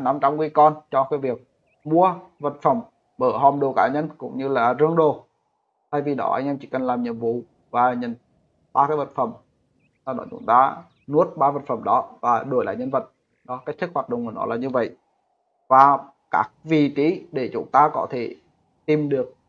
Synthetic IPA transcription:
na˧mt͡ɕa˧wŋ͡mkwi˧kɔ˧nt͡ɕɔ˧kaː˨˦jvi˨˩ək̚ | mu˧əvə˨˩t̚fə˧˩m | ɓəː˧˩ɦɔ˨˩mɗo˨˩kaː˧˩ɲə˧nkʊ̰˧˥ŋ͡mɲɨ˧laː˨˩zə˧əŋɗo˨˩ | t̪ʰa˧jvi˨˩ɗɔ̰˨˦ʔa̰˧jŋʔɛ˧mt͡ɕi˧˩kə˨˩nlaː˨˩mɲḭ˨əmvṵ˧˨ | vaː˨˩ɲə̰˨˧˩n | ɓaː˧kaː˨˦jvə˨˩t̚fə˧˩m | aː˨˩ɗɔ̰˨˦t͡ɕʊ̰˨˦ŋ͡mt̪aː˧ | nu˦˥ət̚ɓaː˧və˨˩t̚fə˧˩mɗɔ˨˦vaː˨˩ɗo˨˧˩jla̰ː˧˨ɲə˧nvə˨˩t̚ | ɗɔ˨˦kaː˦˥k̚ʰə˦˥t̚hwaː˨˩t̚ɗə̰˧˨ŋ͡mʔəː˨˩nɔ̰˨˦laː˨˩ɲɨ˧və̰˧˨j | vaː˨˩ | kaː˦˥k̚vi˨˩t͡ɕi˨˦ɗe˧˩t͡ɕʊ̰˨˧˦ŋ͡mt̪aː˧kɔ˨˦t̪ʰe˧˩ | t̪i˨˩mɗɨ˨˩ək̚

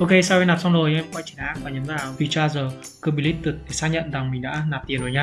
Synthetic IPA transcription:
ʔo˧ke˧saː˧wɛ˧naː˨˩p̚sa˧wŋ͡mzo˨˩jʔɛ˧mkwa˧jt͡ɕi˨˩˨nʔaː˨˦˥k̚vaː˨˩ɲə˨˦ŋzaː˨˩wvi˨˩t͡ɕaː˧zəː˨˩kɨ˧˩ɓi˧˩li˦˥t̚t̪ɨ˨˩t̚ɗʰe˨˩saː˧˥ɲə̰˧˨nza˨˩ŋmï˨˩ŋ̟ɗa̰ː˧˥naː˨˩p̚t̪i˨˩ənzoː˨˩jɲaː˧

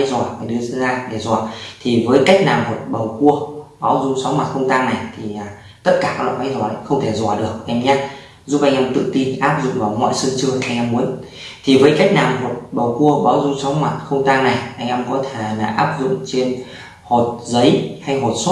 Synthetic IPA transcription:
jzɔ˧˩va˨˩ɗɨ˧ə˧zaː˧ɗe˧˩zɔː˧˩t̪ʰi˨˩vəː˨˦jka˦˥jk̟̚naː˨˩mmo˨˩t̚ɓə˨˩wku˧əɓaː˨˦wzʊ˧ŋ͡msɔ˨˦wŋ͡mma˨˩xə˧wŋ͡mt̪aː˧ŋna˨˩jt̪ʰi˨˩ʔaː˨˩ | t̪ə˦˥t̚kaː˧˩kaː˦˥kla̰˧˨jma˨˦jzwɔː˧˩ɗə̰˨˦xə˧wŋ͡mt̪ʰe˧˩zɔ˧˩ɗɨ˨˩ək̚ʔɛ˧mɲaː˧ | zu˦˥p̚ʔa˧jŋ̟ʔɛ˧mt̪ɨ̰˧˨t̪i˧nʔaː˦˥p̚zʊ̰˧˨ŋ͡mvaː˧˩wmɔ̰˧˨jsɨ˧t͡ɕɨ˧ʔa˧jŋʔɛ˧mːu˨˦ən | t̪ʰi˨˩vəː˨˦jka˦˥jk̟̚naː˨˩wmo˨˩t̚ɓə˨˩wku˧əɓaː˨˦wzʊ˧ŋ͡msɔ˨˦wŋ͡mma˨˩t̚xə˧wŋ͡mt̪aː˧ŋna˨˩jʔa˧jŋ̟ʔɛ˧mkɔ˨˦t̪ʰe˧˩laː˨˩ʔaː˦˥p̚zʊ̰˧˨ŋ͡mt͡ɕe˧n | ho˨˩t̚zə˨˦jha˧jɦo˨˩t̚s

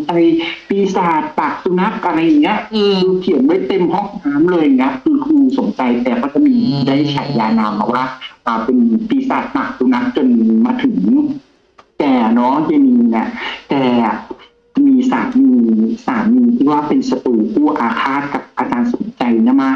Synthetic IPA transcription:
t͡ɕa˧jpiː˧saː˨˩t̪̚paː˨˩k̚su˧na˦˥k̚ʔa˧ɾa˧jːa˨˩ŋi˦˥ɐʔduː˧k̪ʰi˨˩˦nwa˥˩jt̪e˧mhɔ˥˩ŋnaː˦˥mlɤː˧jŋʰa˦˥p̚kʰɯː˧kʰɯː˧so˨˩˦nt͡ɕa˧jt̪ɛː˨˩kʰaː˥˩t͡ɕa˨˩miː˧daː˥˩jt͡ɕʰa˨˩t̪jaː˧naː˧ma˨˩waː˥˩ʔaː˧˩pe˧npiː˧saː˨˩t̪̚paː˨˩k̚su˧na˦˥k̚t͡ɕo˧nmaː˧t̪ʰɯ˩˦ŋ | t̪ɛː˨˩nɔ˦˥je˧niː˧na˧˩t̪ɛː˨˩ | miː˧saː˩˦miː˧saː˩˦mːiː˧t̪ʰiː˧˩waː˥˩pe˧nsa˧t̪uː˨˩kʰuː˥˩ʔaː˧kʰaː˥˩t̪̚ka˨˩p̚ʔaː˧kaː˧nso˨˩˦nt͡ɕa˧jna˧˥˩ma˦˥

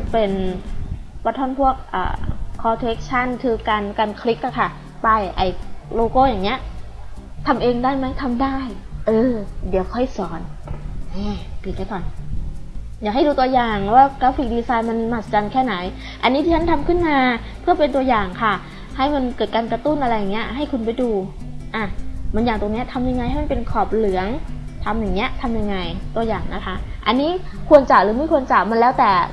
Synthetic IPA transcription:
pe˧n | pa˧˩t̪ʰɔː˧˥˩npʰu˥˩ək̚ʔa̰ː˨˩ɔː˧t̪ʰe˦˥k̚t͡ɕʰa˥˩nkʰɯː˧kaː˧nkaː˧nkʰɾi˦˥k̚la˧˩kʰa˥˩ | pa˧˩jʔa̰˧˩jloː˧koː˧˥˩wjaː˨˩ŋni˦˥ɐʔ | t̪ʰa˧mʔeː˧ŋdaː˥˩jma˦˥jt̪ʰa˧mdaː˥˩jʔɤː˧di˨˦əwkʰɔ˥˩jsɔː˩˦nʔɛː˧˩piː˨˩t̪̚la˧˩kɔː˨˩n | jaː˨˩k̚ɦa˥˩jduː˧t̪u˧ɐjaː˨˩ŋlwaː˥˩kɾaː˦˥fi˨˩k̚diː˧saː˧jnma˧nmaː˧˩st͡ɕa˧nkʰɛː˥˩na˩˦j | ʔa˧nːiː˧˦˥t̪ʰiː˥˩a˦˥nt̪ʰa˧mkʰɯ˥˩nmaː˧ | pʰɯ˥˩ɐpe˧nt̪u˧əjaː˨˩ŋkʰa˥˩ | ha˥˩jma˧nkɤː˨˩t̪̚kaː˧nka˧t̪u˥˩nʔa˧ɾa˧jːaː˨˩ŋːni˦˥ɐɦa˥˩jkʰu˧npa˧jduː˧ʔa˧˩ma˧njaː˨˩ŋt̪o˧ŋni˦˥ɐt̪ʰa˧mja˧ŋa˧jhjma˧˨pe˧nkʰɔː˨˩p̚lɯ˩˦ɐəŋt̪ʰa˧mjaː˨˩ŋni˦˥ɐt̪ʰa˧mja˧ŋːa˧jt̪u˧ɐjaː˨˩ŋna˦˥kʰa˦˥ʔa˧nːiː˦˥ | kʰu˧ənt͡ɕa˨˩lɯː˩˦miː˥˩˨ku˧ənt͡ɕa˨˩ma˧nlɛː˦˥wt̪ɛː˨˩

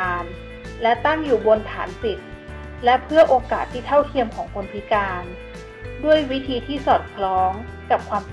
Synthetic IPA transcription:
n | lɛ˦˥t̪a˥˩ŋjuː˨˩bo˧nt̪ʰa̰ː˩˦npi˨˩t̪̚ | lɛ˦˥pʰɯ˥˩ɐʔoː˧kaː˨˩t̪ʰːiː˥˩t̪ʰa˥˩wt̪ʰi˧əmkʰɔː˩˦ŋkʰo˧npʰi˦˥kaː˧n | du˥˩əjwi˦˥t̪ʰiː˧t̪ʰiː˥˩sɔː˨˩t̪̚kʰlɔː˦˥ŋ | ka˨˩p̚kʰwaː˧m

